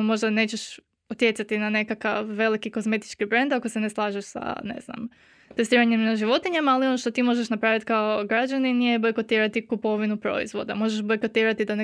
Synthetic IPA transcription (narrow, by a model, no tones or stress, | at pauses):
mo̞ʒd̪ane̞ːt͡ɕe̞ʃ | ut̪je̞t̪sat̪inane̞kakaʋːe̞likiko̞zme̞t̪i̥t͡ʃkibɾe̞nd̪akose̞ne̞slˠaːʒeʃsa̰ne̞̰zna̰m | t̪est̪iːɾaɲemnaʒiʋo̞t̪iɲe̞malio̞noʃt̪o̞t̪imo̞ʒeʃnapɾaːʋit̪kaoɡɾad͡ʒaninijebo̞jko̞t̪iːɾat̪ikupo̞ʋinupɾo̞̰ḭzʋo̞̰d̪a̰mo̞ʒeʃbo̞jkot̪iːɾat̪id̪ane